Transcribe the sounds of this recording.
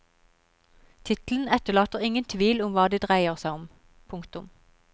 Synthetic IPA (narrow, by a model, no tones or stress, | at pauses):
t̪ʰɪt̪l̩n̩ɛt̪əɭɑːt̪əʁɪŋənt̪ʰʋiːlʊmʋɑːd̪iːd̪ʁæɪəʁsæɪʊm | pʰʊŋkt̪ʊm